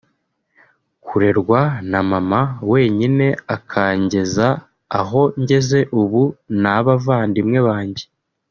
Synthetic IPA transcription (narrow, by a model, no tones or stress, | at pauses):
kuɾe̞ɾɡwanamamawe̞ːɲine̞akʰaːɲɟe̞zaː | ɦo̞ɲɟe̞ze̞ʔuβunaβavaːndimŋe̞βaːɲɟe̞